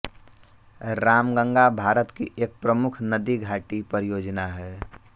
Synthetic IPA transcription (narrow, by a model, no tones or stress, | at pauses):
ɾaːmɡə̃ŋɡabʱaːɾət̪kiʔeːk̚pɾəmʊkʰnəd̪iɡʱaːʈipəɾjoːd͡ʒnaɦɛː